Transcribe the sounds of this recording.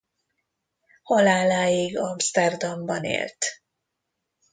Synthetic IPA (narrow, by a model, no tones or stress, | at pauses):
hɒlaːlaːjiɡɒmst̪ɛrd̪ɒmbɒnḛːlt̪